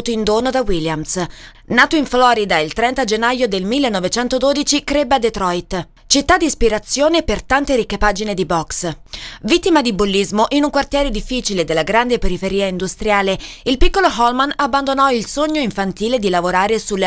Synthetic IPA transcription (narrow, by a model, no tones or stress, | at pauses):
t̪oind̪oːnod̪awiljams | naːt̪oiɱflɔːɾid̪ailt̪ɾɛnt̪ad͡ʒenːajod̪elmilːenːɔvet͡ʃɛnt̪od̪oːd̪it͡ʃikɾebad̪et̪ɾɔjt̪ | t͡ʃit̪ːad̪ːispiɾat̪sːjoːnepert̪ant̪eɾikːepaːd͡ʒined̪ibɔksvit̪ːimad̪ibulːizmoʔinuŋkwart̪jɛːɾed̪ifːiːt͡ʃiled̪elːaɡɾand̪epeɾifeɾiːaind̪ust̪ɾjaːleilpikːoloɦɔlmanabːand̪onɔilsoɲːoiɱfant̪iːled̪ilavoɾaːɾesulːe